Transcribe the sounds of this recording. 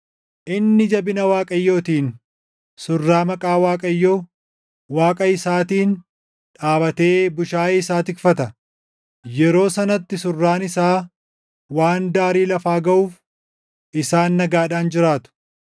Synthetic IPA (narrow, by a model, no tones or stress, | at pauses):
ʔɪnːɪd͡ʒɐbɪnɐwaːkʼɐjːo̞ːt̪iːn | sʊrːaːmɐkʼaːwaːkʼɐjːo̞ː | waːkʼɐɪsaːt̪iːn | ᶑaːbɐt̪e̞ːbʊʃaːɪsaːt̪ɪkfɐt̪ɐ | jɛɾo̞ːsɐnɐt̪ːɪsʊrːaːnɪsaː | waːnd̪aːɾiːlɐfaːɡɐʔuːf | ɪsaːnːɐɡaːᶑaːnd͡ʒɪɾaːt̪ʊ̥